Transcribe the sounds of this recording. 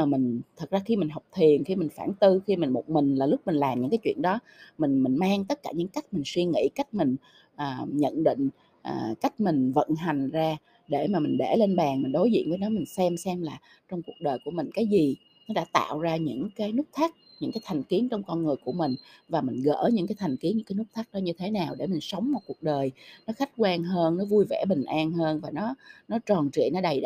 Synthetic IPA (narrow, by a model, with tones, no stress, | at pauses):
mï˨˩ŋ̟t̪ʰə˨˩k̚zaː˧xi˧mi˨˩ŋ̟ɦɔ˨˩wk͡p̚t̪ʰi˨˩ənxi˧mï˨˩ŋ̟fa̰ː˧˩nt̪ɨ˧xi˧mï˨˩nmo˨˩t̚mï˨˩ŋ̟laː˨˩lʊ˦˥k͡p̚mi˨˩ŋ̟laː˨˩mɲɨ̰˧˥ŋkaː˨˦t͡ɕwḭ˧˨ənɗɔ˨˦ | mï˨˩ŋ̟mï˨˩ŋmaː˧ŋt̪ə˦˥t̚kaː˧˩ɲɨ̰˧˥ŋka˦˥jk̟̚mï˨˩ŋ̟swi˧ŋḭ˧˥ka˦˥jk̟̚mï˨˩ŋ̟ | ʔəː˨˩ɲə̰˧˨nɗḭ˧˨ŋ̟ | ʔːka˦˥jk̟̚mi˨˩ŋ̟və̰˧˨nɦa˨˩jŋ̟zaː˧ | ɗe˧˩maː˨˩mï˨˩ŋɓḛ˧˩le˧nɓaː˨˩ŋmi˨˩n̟ɗo˨˦jzḭ˧˨ənvːnɔ˨˦mï˨˩ŋ̟sɛ˧msɛ˧mlaː˨˩ | t͡ɕɔ˧wŋ͡mku˨˩ək̚ɗəː˨˩jku˧˩əmï˨˩ŋ̟kaː˨˦jzi˨˩ | nɔ˨˦ɗa̰ː˧˥t̪a̰ː˧˨wzaː˧ɲɨ̰˧˥ŋkaː˨˦jnɨ˦˥k̚t̪ʰa˦˥k̚ | ɲɨ̰˧˥ŋkaː˨˦jt̪ʰa˨˩ŋ̟ki˨˦ənt͡ɕɔ˧wŋ͡mkɔ˧nŋɨ˨˩əjku˧˩əmï˨˩ŋ̟vaː˨˩mï˨˩ŋ̟ɣə̰ː˧˥ɲɨ̰˧˥kaː˨˦jt̪ʰa˨˩jŋ̟ki˨˦nɲɨ̰˧˥kːaː˨˦nɨ˦˥k̚t̪ʰːk̚ɗɔ˨˦ɲɨ˧t̪ʰe˨˦naː˨˩wɗe˧˩mï˨˩ŋ̟sə˨˦wŋ͡mmo˨t̚ku˨˩ək̚ɗəː˨˩jnɔ˨˦xa˦˥jk̟̚kwaː˧nɦəː˧nːɔ˨˦vu˧jvɛ˧˩ɓï˨˩ŋ̟ʔaː˧nɦəː˧nvaː˨˩nɔ˨˦nɔ˨˦t͡ɕɔ˨˩nt͡ɕḭ˧˨nɔ˨˦ɗa˨˩j